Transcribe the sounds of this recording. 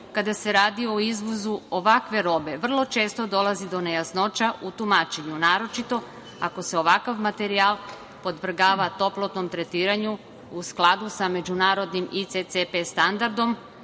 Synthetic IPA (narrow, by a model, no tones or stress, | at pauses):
kad̪ase̞ɾaːd̪io̞izʋozuoʋakʋe̞ɾo̞be̞ʋr̩lˠo̞t͡ʃe̞ːst̪o̞d̪o̞lˠazid̪o̞ne̞jasno̞t͡ʃaʔut̪umaːt͡ʃeɲunaːɾot͡ʃit̪o̞ | ako̞se̞o̞ʋakaʋmat̪e̞ɾialˠ | po̞d̪ʋr̩ɡaːʋat̪o̞plˠot̪no̞mt̪ɾe̞t̪iːɾaɲu | usklˠad̪usame̞d͡ʑunaːɾo̞d̪nimit̪seepest̪and̪aɾd̪o̞m